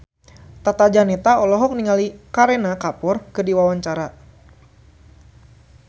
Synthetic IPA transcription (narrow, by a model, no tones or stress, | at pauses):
t̪at̪ad͡ʒanɛt̪aɔlɔɦɔk̚niŋalikaɾenakapɔrkədiwawaɲt͡ʃaɾa